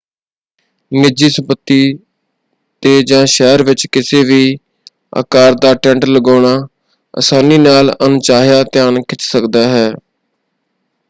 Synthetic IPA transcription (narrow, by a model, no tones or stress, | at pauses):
nɪd͡ʒiːsəmpət̪ːiː | t̪eːd͡ʒãːʃɛːɾʋɪt͡ʃkɪseːʋiː | a̰ːkaːɾd̪aːʈɛ̃ːɳʈləɡaːɳ̃aː | ə̰saːniːnaːlənʊt͡ʃaːɦjaːt̪ɪjaːɳkɪt͡ʃsəkd̪aːɦɛː